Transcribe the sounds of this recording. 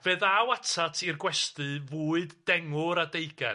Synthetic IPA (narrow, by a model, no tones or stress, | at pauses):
veːðawatʰatʰirɡwɛstɨvuːɨdːɛŋʊɾadejɡa